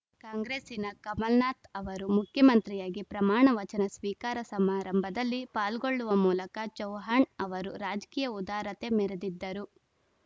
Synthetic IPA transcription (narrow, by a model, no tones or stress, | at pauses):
kaːŋɡɾeːsinɐkɐmɐlnaːt̪ɐʋɐɾumukʰjɐmɐnt̪ɾijaːɡipɾɐmaːɳɐʋɐt͡ʃɐnɐsʋiːkaːɾɐsɐmaːɾɐmbʱɐd̪ɐlːipaːlɡoɭːuʋɐmuːlɐkɐt͡ʃɐwɦaːɳɐʋɐɾuɾaːd͡ʒɐ̥kiːjɐud̪aːɾɐt̪e̞mɛɾed̪id̪ːɐɾu